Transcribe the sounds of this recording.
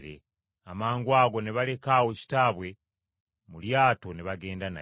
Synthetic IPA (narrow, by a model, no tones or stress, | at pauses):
ɾḛ | amaːŋɡwaːɡo̞neβale̞kaːwoci̥taβwe̞ | muljaːto̞neβaɡe̞ːndana̰